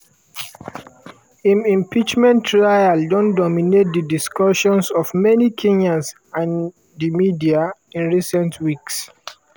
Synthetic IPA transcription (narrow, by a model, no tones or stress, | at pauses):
ĩmĩmpit͡ʃmɛ̃ntːɹajaldɔ̃ndɔminet̚dədiskɔʃɔ̃nsɔvmɛnikʰẽɲãms | ãn | dimidiaĩnɹisɛ̃ntʰwiks